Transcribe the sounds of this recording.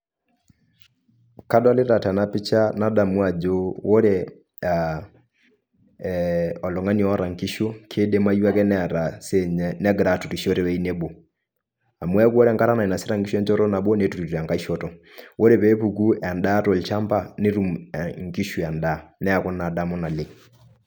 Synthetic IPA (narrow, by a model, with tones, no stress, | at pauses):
ka˦dwa˦le˦ɾa˨ta˨na˦pi˦t͡ʃa˦na˦da˨mwa˨d͡ʒo˦wo˦ɾe˦ | a | ɔ˨lɔ˨ŋa˦ni˨ɔ˨ɔ˦ɾa˨ŋki˦ʃo˦kʰe˦de˦ma˦ju˦a˦kɛ˦nɛ˦˨ɾa˨seɲɛnɛ˦ɡɾa˨tu˨ti˨ʃo˦ɾe˨wɛ˨˦i˦ne˦bo˨ | a˨mwɛ˦a˦kwɔ˦ɾɛ˦ŋka˦ɾa˦na˨i˨na˨se˦ɾa˦ŋki˦ʃu˦ɛ˦ɲd͡ʒɔ˦ɾɔ˦na˨bo˦ne˦tu˨ɾi˨ta˨ŋka˨˦i˦ʃɔ˦tɔ˨ | wo˦ɾe˨pɛ˦pu˨k̬u˦a˨nda˦to˨lt͡ʃa˦mba˦ne˦ɾu˨mŋki˦ʃu˨a˨nda˨nɛ˦a˨kɔ˦na˨da˦˨mɔ˦na˨le˨